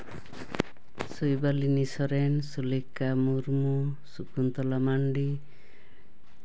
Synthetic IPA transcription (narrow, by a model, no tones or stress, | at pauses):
sujbalinisɔɾɛnsulikːamuɾmusukunt̪ɔlamaɳɖi